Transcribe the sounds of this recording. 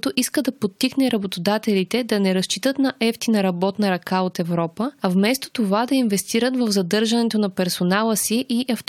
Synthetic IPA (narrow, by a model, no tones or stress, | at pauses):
t̪oʔiskəd̪ɐpot̪ːixnɛɾɐbot̪od̪at̪ɛlit̪ɛd̪ɐnɛɾɐst͡ʃit̪ət̪nɐʔɛft̪inɐɾɐbɔt̪nəɾɐkaot̪ɛvɾɔpəɐvmɛst̪o̥t̪ovad̪ɐinvɛst̪iɾət̪vəvzɐd̪ɤɾʒɐnɛt̪onɐpɛɾsonalˠəsiʔiʔɐft̪